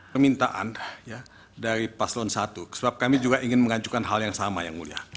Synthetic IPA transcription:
pərmint̪aʔa̰nja | daɾipaslɔnsat̪ukə̥səbap̚kamid͡ʒuɡaʔiŋɪnməŋad͡ʒukanɦaljaŋsamajaŋmulia̰h

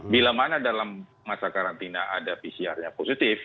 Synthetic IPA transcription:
bilamanadalamː | asakaɾant̪inaʔadapisiarɲaposit̪ɪf

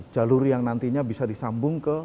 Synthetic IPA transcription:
d͡ʒaluɾjaŋnant̪iɲabisadisambʊŋkə

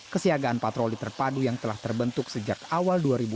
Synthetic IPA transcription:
kəsiaɡaːnpat̪ɾolit̪ərpadujaŋt̪əlaht̪ərbənt̪ʊksəd͡ʒakawalduaɾibu

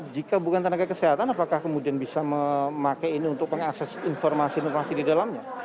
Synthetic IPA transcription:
d͡ʒikabukant̪ənaɡakəseɦat̪anapakahkəmudianbisaməmakajiniunt̪ʊk̚məŋaksɛsinfɔrmasiinfɔrmasididalamɲa

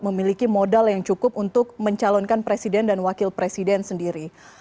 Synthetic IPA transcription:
məmilikimodaljaŋt͡ʃukʊpunt̪ʊk̚məɲt͡ʃalɔnkanpɾesidɛndanwakɪlpɾesidɛnsəndiɾi

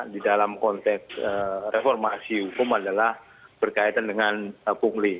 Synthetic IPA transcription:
didalamkɔnt̪ɛksərefɔrmasihukʊmadalah | b̥ərkait̪andəŋanəpuŋli

